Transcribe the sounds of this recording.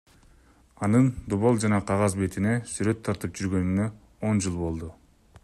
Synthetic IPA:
ɑnɯnd̪oβolˠd͡ʒɑnɑqʰɑʁɑzbe̞t̪ine̞syɾø̞t̪ʰːɑɾt̪ɯp̚d͡ʒyɾɡø̞nynø̞ | o̞nd͡ʒɯlˠbo̞lˠd̪u

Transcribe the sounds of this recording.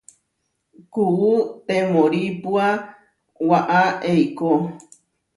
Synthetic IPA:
kuwut̪ẽmõɾipua | waʔaejko

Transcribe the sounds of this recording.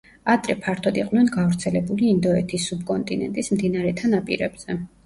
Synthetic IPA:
ad̪ɾɛpʰaɾt̪ʰɔd̪iqʼnwɛnɡavɾt̪sʰɛlɛbuliːnd̪ɔɛt̪ʰisːub̚kʼɔnt̪ʼinɛ̰nt̪ʼismd̪inaɾɛt̪ʰanapʼḭɾɛbz̥ɛ

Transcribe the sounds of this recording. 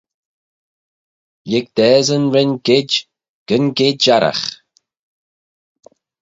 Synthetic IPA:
jɪɡ̚d̪̥ɛːzənɹɪnɡɪd͡ʒ | ɡ̥ənɡɪdaɾa̰x

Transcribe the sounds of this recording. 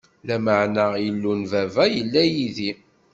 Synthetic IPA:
læməʕnajəlːunvævæjəlːæjiði

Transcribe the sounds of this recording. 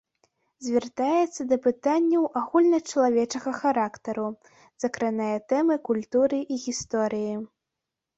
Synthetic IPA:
zʲvʲɛrt̪ajɛt̪sːɐd̪ɐpɨt̪anʲːɐwʔaɣulʲnɐt͡ʂɐlˠavʲɛt͡ʂɐɣɐxaɾakt̪ɐɾu | z̥ɐkɾanajɐt̪ɛmɨkulʲt̪uɾɨʔiɣʲist̪ɔɾɨji

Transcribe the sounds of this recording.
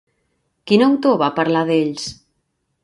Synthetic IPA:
kinowt̪oβapaɾlaðeʎs

